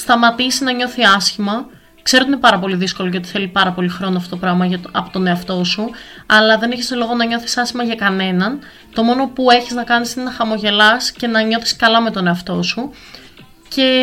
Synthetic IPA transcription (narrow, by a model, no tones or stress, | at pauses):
st̪ɐmɐt̪isinɐɲo̞θiɐsçimɐ | kse̞ɾo̞t̪ine̞pɐɾɐpo̞liðisko̞loʝɐot̪i̥θe̞lipɐɾɐpo̞lixɾo̞noɐfot̪opɾɐɣmɐʝɐɐpot̪o̞ne̞ɐft̪o̞suɐlɐðe̞neçeslo̞ɣo̞nɐɲo̞θi̥sɐsçimɐʝɐkɐne̞nɐn | t̪o̞mo̞no̞pue̞çiznɐkɐnisinenɐxɐmo̞ʝe̞lɐsce̞nɐɲo̞θi̥skɐlɐme̞t̪o̞ne̞ɐft̪o̞su | ce̞